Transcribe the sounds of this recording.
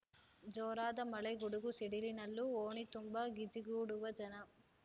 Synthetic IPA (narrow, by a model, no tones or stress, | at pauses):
d͡ʒɔːɾaːd̪ɐmɐɭɐɡuɽuɡusiɽilinɐlːuoːɳit̪umbɐɡid͡ʒiɡuːɽuʋɐd͡ʒɐnɐ